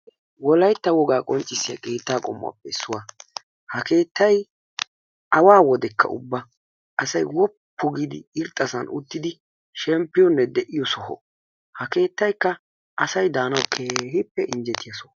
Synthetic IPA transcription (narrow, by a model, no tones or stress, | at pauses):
wɔlɐjt̪ːɐwɔɡaːkʼɔnt͡ʃʼːɪsːɪjɐ̰kʼe̞ːt̪ːaːkʼɔ̰mːa̰ːpːɛɪsːʊwaː | hɐke̞ːt̪ːɐj | ɐwaːwɔd̪ɛkːɐ̰ʊ̰bːɐ | ʔɐsɐjwɔpʰːɔɡid̪ɪ̰ɪɾt̪ʼːɐsɐnʔʊt̪ːɪd̪ɪ | ʃɛmpːɪjɔnːɛd̪ɛʔɪjɔsɔhɔ̰ | hɐke̞ːt̪ːɐjkːɐ | ʔɐsɐjd̪aːnɐwkʰehɪpːɛʔɪnd͡ʒɛt̪ɪjɐsɔ̥